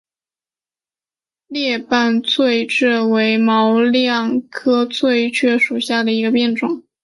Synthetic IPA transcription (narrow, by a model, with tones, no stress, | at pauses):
ljɛ˥˧pa˥˧nt͡sʰwe˥˧ɪʈ͡ʂɻ̩˥˩we˧˥ɪmɑ˧˥ʊljɑ˥˩ŋkʰɤ˥t͡sʰwe˥˩ɪt͡ɕʰɥɛ˥ʂu˨˩ɕja˥˩d̪ə˩i˧˥ɡə˧pjɛ˥˩nʈ͡ʂʊ˨˩˦ŋ